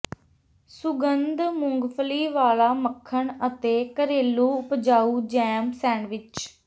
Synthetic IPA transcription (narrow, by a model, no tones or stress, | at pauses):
sʊɡənd̪mʊŋɡpʰəliːʋaːlaːməkʰːəɳət̪eːkəɾeːlːuːʊpd͡ʒaːuːd͡ʒɛ̃ːmsɛ̃ːɳʋɪt͡ʃ